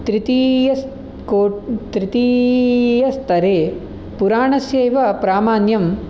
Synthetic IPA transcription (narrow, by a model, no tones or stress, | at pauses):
t̪ɾit̪ijɐs | koːt̪ɾit̪i | jɐst̪ɐɾeː | puɾaːɳɐsjɐːjʋɐpɾaːmaːnjɐm